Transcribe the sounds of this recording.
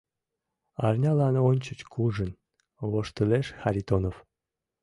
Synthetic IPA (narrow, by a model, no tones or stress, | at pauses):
ɑrnʲɑlɑnonʲt͡ɕət͡ɕkʰuʒən | βoʃt̪əleʃxɑɾʲit̪onof